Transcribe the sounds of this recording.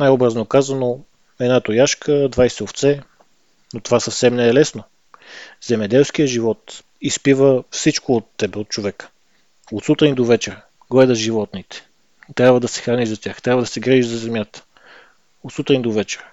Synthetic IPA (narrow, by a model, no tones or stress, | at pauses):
najɔbɾɐznokazɐno | ɛd̪nat̪ojaʃkəd̪vajsɛoft̪sɛ | not̪ovasɐfsɛmnɛːlɛsno | zɛmɛd̪ɛlˠsk̟ijəʒivɔt̪ | ispivəfsit͡ʃkoːt̪ːɛbɛot̪̚t͡ʃovɛkə̥ | ot̪sut̪ɾind̪ovɛt͡ʃɛɾ | ɡlɛd̪əʒivɔt̪nit̪ɛ̥ | t̪ɾʲjabvəd̪ɐsɛ̥xɾaniʒzɐt̪ʲjaxt̪ɾʲabvɐəd̪ɐsɛɡɾiʒiʒzɐzɛmjat̪ə̥ | ot̪sut̪ɾind̪ovɛt͡ʃɛ̥ɾ